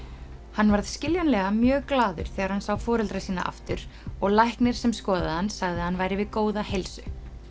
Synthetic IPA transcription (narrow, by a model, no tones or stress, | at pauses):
hanːvaɾð̥scɪljanlɛɣamjœːɣklaːðʏ̰ɾ̥θɛːɣaɾhansawfɔːɾɛlt̪ɾasiːna̰ʔa̰ft̪ʏɾ̥ɔɣlajhknɪɾ̥sɛmskɔːðaðhansaɣðɪhanːvaːjɾɪvɪðkoːwðahejlsʏ